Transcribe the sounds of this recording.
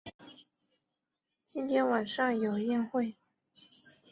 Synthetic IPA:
t͡ɕi˥nt̪ʰjɛ˥nwa˨˩nʂɑ˥˩ŋjo˨˩ʊjɛ˥˧nxwe˥˩ɪ

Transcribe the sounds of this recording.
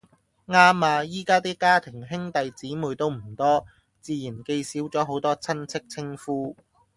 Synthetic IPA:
ŋaː˥maː˧jiː˥kaː˥t̪iː˥kaː˥t̪ʰɪ˨˩ŋɦɪ˥ŋt̪ɐ˨jt͡siː˨˥muː˨jt̪o˥wm̩˨˩t̪ɔː˥ | t͡siː˨˧jiː˨˩nke˧jsiː˨˥wt͡sɔː˨˥ɦo˨˥wt̪ɔː˥t͡sʰɐ˥nt͡sʰɪ˥k̚t͡sʰɪ˥ŋfuː˥

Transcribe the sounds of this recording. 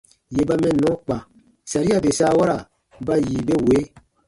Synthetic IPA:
je˨ba˦mɛ̃˨nɔ̃˨˦k͡pã˨ | sa˨ɾi˦a˨be˨saː˦wa˦ɾa˨ | ba˦jiː˨be˦we˨˦

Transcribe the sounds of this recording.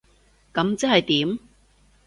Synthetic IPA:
kɐ˨˥mt͡sɐ˥hɐ˨jt̪iː˨˥m

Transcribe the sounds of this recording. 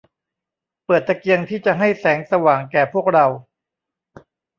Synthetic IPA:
pɤː˨˩t̪ːa˧ki˧əŋt̪ʰiː˥˩t͡ɕa˨˩ɦa˥˩jsɛː˩˦ŋsa˧waː˨˩ŋkɛː˨˩pʰu˥˩ək̚ɾa˧w

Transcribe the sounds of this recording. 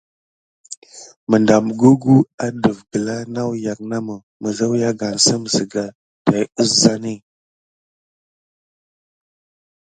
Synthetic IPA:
mə˨nda˨m˨ɡu˦ɡu˦a˦də˨vɡə˨la˦na˦wja˨k̚na˦mə˨ | mə˨ɣə˦wja˦ɡa˨nsə˦m˨zə˨ɡa˨ | d̥a˨jə˦sza˦ni˦

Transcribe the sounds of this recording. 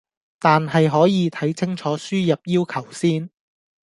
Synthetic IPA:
t̪aː˨nɦɐ˨jɦɔː˨˥jiː˨˧t̪ʰɐ˨˥jt͡sʰɪ˥ŋt͡ʃʰɔː˨˥syː˥jɐ˨p̚jiː˥wkʰɐ˨˩wsiː˥n

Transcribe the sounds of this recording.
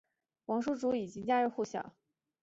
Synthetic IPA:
wɑ˧˥ŋʂu˥˩ʈ͡ʂu˧˥i˨˩t͡ɕi˥ŋt͡ɕja˥ɻ̩˥˧xu˥˩ɕjɑ̰˨˩˦

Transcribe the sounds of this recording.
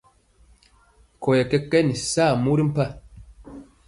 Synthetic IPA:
kɔ˨je˨kɛ˦kːɛ˦ni˨saː˦˨mu˦ɾi˦m̩˦pa˦

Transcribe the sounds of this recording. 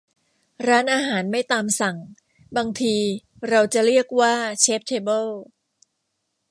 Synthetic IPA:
ɾaː˦˥nʔaː˧ɦaː˩˦nma˥˩jt̪aː˧msa˨˩ŋ | baː˧ŋt̪ʰiː˧ | ɾa˧wt͡ɕa˨˩ɾi˥˩ək̚waː˥˩t͡ɕʰeː˦˥p̚t̪ʰeː˧bɤ˥˩l

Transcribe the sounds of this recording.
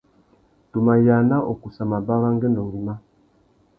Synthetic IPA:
tu˨ma˨ja˨na˦ʔo˨ku˨sa˨ma˨ba˦ɣa˦ŋɡə˦ndɔ˨ŋɡi˨ma˦

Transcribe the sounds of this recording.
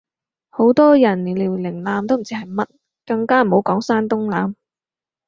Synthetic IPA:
ho˨˥wt̪ɔː˥jɐ˨˩nli˨˩liː˨˩wlɪ˨˩ŋlaː˨˧mt̪o˥m̩˨˩t͡siː˥ɦɐ˨˩jmɐ˥t̚ | kɐ˧ŋkaː˥m̩˨˩ho˨˥wkɔː˨˥ŋsaː˥nt̪ʊ˥ŋlaː˨˥m

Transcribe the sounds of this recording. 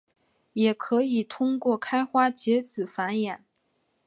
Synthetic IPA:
jɛ˨˩kʰɤ˧˥i˨˩t̪ʰʊ˥ŋkwɔ˥˩kʰa˥ɪxwa˥t͡ɕjɛ˧˥t͡sɹ̩˨˩fa˧˥njɛ˨˩˦n

